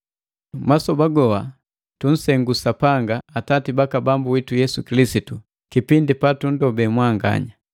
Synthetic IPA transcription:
masɔbaɡɔwa | tun̩sɛŋɡusapaŋɡaːtatibakabambuwitujɛsukilisitu | kipindipatun̩dɔbɛmwaŋɡa̰ɲa

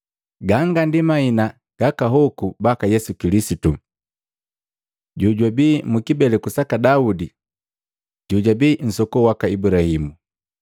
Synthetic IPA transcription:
ɡaŋɡandimaina | ɡ̥akaɦɔkubakajɛsukilisitu | ɟuɟwabiːmukibɛlɛkusakadaudi | ɟuɟabiːn̩sɔkɔwakaibuɾahimu

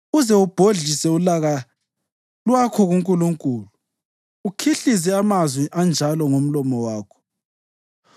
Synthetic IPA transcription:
uzɛub̥ʱoɮisɛulaɣa | lwakʰɔɣuŋkʼuluŋkʼulu | ukʰiɬis̬ɛamazwiʔand͡ʒʱalɔŋom̩lɔmɔwaːkʰɔ̥

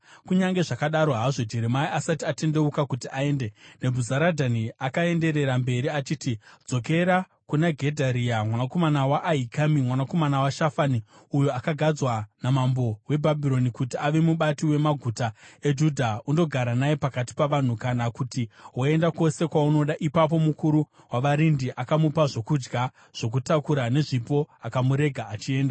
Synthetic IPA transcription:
kuɲaŋɡe̞ʐakaɗaɾo̞ɦaʐo̞d͡ʒeɾemaiasatiate̞nde̞ukakutiʔae̞ːnde̞ne̞bʱuzaɾadʱaniakae̞nde̞ɾe̞ɾambe̞ɾiat͡ʃiːtid͡zo̞ke̞ɾa | kunaɡʱe̞dʱaɾiamwanako̞manawaʔːɦikamimwanako̞manawaʃafani | ujoakaɡʱad͡zwanamambo̞we̞bʱabʱiɾo̞nikutiaʋe̞muɓatiwe̞maɡʱutae̞d͡ʒudʱaundo̞ɡʱaɾanajepakati̥paʋan̤ukanakutiwae̞ndako̞se̞kwauno̞ɗaʔipap̬o̞mukuɾu | waʋaɾindiʔakamupaʐo̞kud͡ʒɡa | ʐ̥o̞k̬utakuɾane̞ʐipo̞akamuɾe̞ɡʱaːt͡ʃie̞ːnda

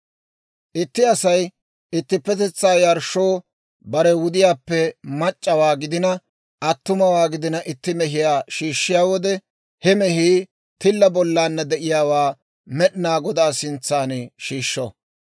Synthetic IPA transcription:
ʔɪt̪ːɪɐsɐj | ɪt̪ːɪpːɛt̪ɛt͡sːaːjɐɾʃoː | bɐɾɛwʊd̪ɪjaːpːɛmɐt͡ʃʼːɐwaːɡɪd̪ɪnɐ | ʔɐt̪ːʊmɐwaːɡɪd̪ɪnɐʔɪt̪ːɪmɛɦɪjaːʃiːʃːɪjaːwɔd̪ɛ | hɛmɛhiː | t̪ɪlːɐbɔlːaːnːɐd̪ɛʔɪjaːwaː | mɛɗɪnaːɡɔd̪aːsɪnt͡sːaːnʃiːʃːo

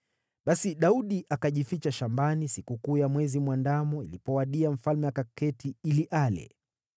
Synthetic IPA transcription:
ɓasiɗauɗiʔakaʄifit͡ʃaʃambanisikukuːjamwɛzimwandamɔḭlipɔwaɗiaɱ̩falmɛjakakɛtiiliʔalɛ̰

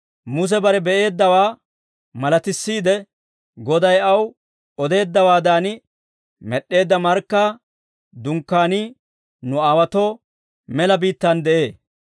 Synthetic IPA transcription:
mʊs̬ɛbɐɾɛbɛʔe̞ːd̪ːɐwaː | mɐlɐt̪ɪsːiːd̪ɛ | ɡɔd̪ɐjɐw | ɔd̪e̞ːd̪ːɐwaːd̪aːnɪ | mɛɗːe̞ːd̪ːɐmɐɾkːaː | d̪ʊŋkːaːni | nʊaːwɐt̪o | mɛlɐbiːt̪ːɐnd̪ɛʔe̞ː

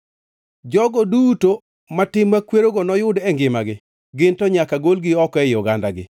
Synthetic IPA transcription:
d͡ʒɔɡɔduto | matɪmːakweɾoɡɔnɔjʊdɛŋɡɪmaɡɪ | ɡɪntɔɲakaɡolɡɪɔkɛjʊɡandaɡɪ̰

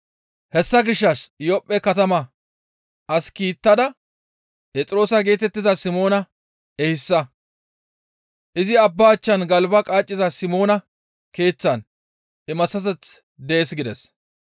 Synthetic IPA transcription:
hɛsːɐɡɪʃːɐʃjɔpʼːɛkɐt̪ɐmɐ | ɐskiːt̪ːɐd̪ɐ | pɛt͡sʼɾo̞ːsɐɡe̞ːt̪ɛt̪ːɪzɐsɪmo̞ːnɐ | ɛhɪsːɐ | ʔɪzɪɐbːaːt͡ʃːɐnɡɐlbɐkʼaːt͡ʃʼːɪzɐsɪmo̞ːnɐ | ke̞ːt͡sːɐn | ʔɪmɐsɐt̪ɛt͡s | d̪eːsɡɪd̪ɛs

